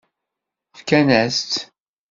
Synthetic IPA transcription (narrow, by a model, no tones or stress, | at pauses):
fkænæst̪